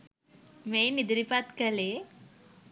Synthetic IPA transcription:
mejmid̪ɾipat̪kəle

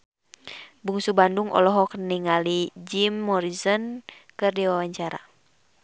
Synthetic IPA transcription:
buŋsubanduŋɔ̰lɔɦɔkniŋalid͡ʒimːɔɾizɔnkɨrdiwawaɲt͡ʃaɾa̰

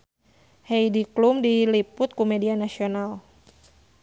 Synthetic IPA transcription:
hɛjdiklumdilipʊt̪̚kumɛdianasional

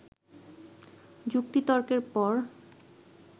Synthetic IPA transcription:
d͡ʑuk̚t̪it̪ɔɾkeɾpɔɾ

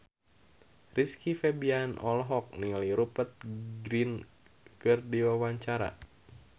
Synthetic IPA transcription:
riskifɛbianʔɔlɦɔk̚niŋaliɾupət̪̚ɡɾin | kɨrdiwawaɲt͡ʃaɾa̰

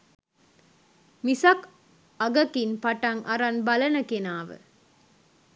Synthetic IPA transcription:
misɐk | ɐɡɐkinpɐʈɐŋʔɐɾɐnbɐlɐnɐkenaːʋɨ̰

